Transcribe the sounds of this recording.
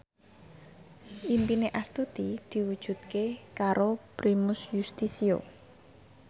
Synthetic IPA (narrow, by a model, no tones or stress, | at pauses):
impineʔast̪ud̪̥id̪̥i̤wud̥ʒ̥ṳt̪̚kekaɾopɾimʊsjust̪isio̰